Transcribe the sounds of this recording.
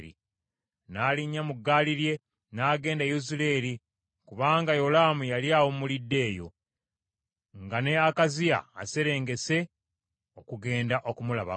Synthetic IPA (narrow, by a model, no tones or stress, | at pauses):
ɾḭ | naːliɲːamuɡːaːliɾje̞ | naːɡe̞ːndajuzule̞ɾi | kuβaːŋɡajo̞lamujaljaːwomulidːe̞ːjo̞̰ | ŋɡane̞akazia̰ːse̞ɾe̞ːŋɡe̞se̞ | o̞kuɡe̞ːndaʔo̞kumulaβa̰